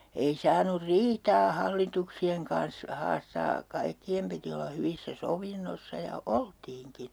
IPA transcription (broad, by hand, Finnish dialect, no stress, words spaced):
ei sɑːnur riːtɑː hɑlːituksieŋ kɑns hɑːstɑː kɑikːiem piti olːɑ hyʋisːæ soʋinːosːɑ jɑ oltiːŋkin̞